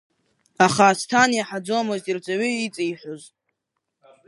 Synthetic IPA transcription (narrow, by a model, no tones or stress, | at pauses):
aχaːstʰanjaħad͡zomoztʼirt͡sʷʼaɥiit͡sʼijħʷoz